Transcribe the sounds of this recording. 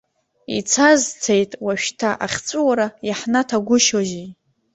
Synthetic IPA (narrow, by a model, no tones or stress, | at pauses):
ḭt͡sʰazt͡sʰejtʼwaʃᶣtʰaʔaχʲt͡sʷʼuwaɾajaħnatʰaɡʷʊʃoʒi